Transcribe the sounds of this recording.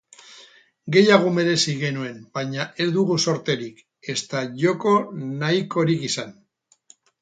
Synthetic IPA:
ɡe̞jaɣ̞ume̞ɾe̞siɣe̞nue̞mbajɲaʔe̞zd̪uɣuso̞ɾt̪e̞ɾik | e̞st̪aʝo̞ko̞naiko̞ɾikisan

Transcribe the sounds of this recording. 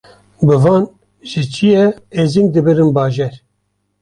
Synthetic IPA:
bɨvɑːn | ʒɨt͡ʃʰijɛezind̪ɨbɨɾɨnbɑːʒɛɾ

